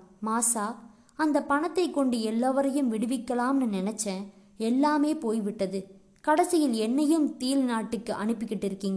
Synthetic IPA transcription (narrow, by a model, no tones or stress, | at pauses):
maːsaː | ɐnd̪ɐpɐɳɐt̪ːɐɪkːɔɳɖɯɛlːaːʋɐɾɐjɯmʋɪɽɯʋɪkːɐlaːmnɯnɪnɛt͡ʃːɐ̃ | ɛlːaːmeːpoːjʋɪʈːɐðɯ | kɐɽɐsɪjɪlɛnːɐjɯmt̪iːlnaːʈːɯkːɯʔɐɳɯpːɯkːɪʈːɪɾɯkːɪŋɡɐ